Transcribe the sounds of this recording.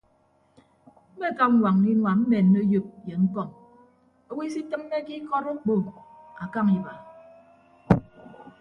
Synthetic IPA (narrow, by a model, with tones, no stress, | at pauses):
m̩˦me˦˨ka˦m̩˦wa˨ŋ˨ni˦nwa˨m̩˦me˨nː˦o˦jo˦p̚je˨m̩˦pɔ˦˨ŋ | o˦wi˦si˦tɨ˦m̩ː˦e˦ki˦kɔ˦ɾu˦k͡po˦˨a˨ka˦ŋi˨ba˨